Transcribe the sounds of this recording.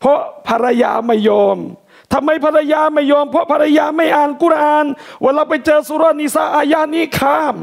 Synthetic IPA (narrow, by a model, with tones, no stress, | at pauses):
pʰɔ˦˥ʔpʰa˧ɾa˧ja̰ː˧ma˧˥˩jːɔː˧m | t̪ʰa˧mːa˧jpʰa˧ɾa˧jaː˧ma˥˩jːɔː˧mpʰɔ˦˥ʔpʰa˧ɾa˧jaː˧ma˥˩jʔaː˧nku˧˥˩ɾʔaː˧nwa˧˩ɾa˧˩wpa˧jt͡ɕɤː˧su˧ɾɔː˦˧˩ni˧˩sa˧˩ʔaː˧jaː˧˥˨niː˦˥˩kʰaː˧˥˩m